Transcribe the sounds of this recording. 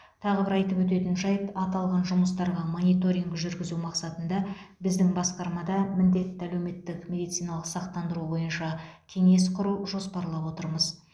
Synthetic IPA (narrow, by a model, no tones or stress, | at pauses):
t̪ʰɑʁəbɪɾɑjt̪əpwɵt̪̬e̞t̪ɪnʒɑjəpɑt̪ɑlˠʁɑnʒʊməst̪ɑɾʁɑmo̞nijt̪o̞ɾʲiŋɡʒʏɾɡʲɪzumɑqsɑt̪ənd̪ɑbɪzd̪ɪŋbɑsqɑɾmɑd̪ɑmɪnd̪e̞t̪ːɪælewme̞t̪ːɪkmʲe̞d̪ijt̪sijnɑlˠəqsɑqt̪ɑnd̪əɾubo̞jənʃɑkʲʰe̞ŋe̞sqʰʊɾuʒo̞spɑɾlˠɑpwo̞t̪əɾməz